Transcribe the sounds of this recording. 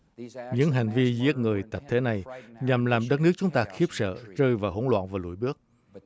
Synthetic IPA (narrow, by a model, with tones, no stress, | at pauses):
ɲɨ̰˧˥ŋɦa˨˩ŋ̟vi˧zi˦˥ət̚ŋɨ˨˩əjt̪ə˨˩p̚t̪ʰe˨˦na˨˩jɲa˨˩mlaː˨˩mɗə˦˥t̚nɨ˦˥ək̚t͡ɕʊ˨˦ŋ͡mt̪aː˧xi˦˥əp̚sə̰ː˧˨t͡ɕəː˧jvaː˨˩ho˧˥nlwa̰ː˧˨nvaː˨˩lṵ˧˩əjɓɨ˦˥ək̚